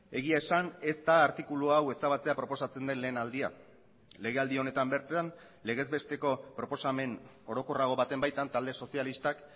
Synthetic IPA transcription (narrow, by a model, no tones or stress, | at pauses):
e̞ɣ̞iae̞sane̞st̪aːɾt̪ikuluawe̞saβ̞at͡se̞apɾo̞po̞sat͡se̞nd̪e̞nle̞ːnald̪ia̰ | le̞ɣ̞e̞ald̪io̞ne̞t̪ambe̞ɾt̪an | le̞ɣ̞e̞zbe̞st̪e̞ko̞pɾo̞po̞same̞n | o̞ɾo̞ko̞raɣ̞o̞βat̪e̞mbajt̪ant̪ald̪e̞so̞sialist̪ak